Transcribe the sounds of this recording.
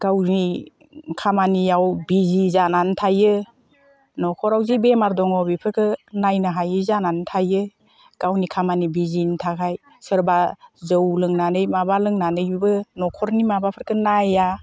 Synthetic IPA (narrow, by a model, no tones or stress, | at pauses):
ɡ̥awni | kʰamanijawbizizanantʰajɯ | nɔkʰɔɾawzibemaɾdɔŋɔbipʰɯɾkʰɯnajnaɦajɯzanantʰajɯ | ɡ̥awnikʰamanibizintʰakʰaj | sɯɾbazɯwlɯŋnanɯjmabalɯŋnanɯjbɯnɔkʰɔɾnimabapʰɯɾkʰɯnaja